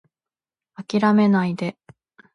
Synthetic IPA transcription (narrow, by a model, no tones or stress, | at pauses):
akʲiɾame̞naid̪e̞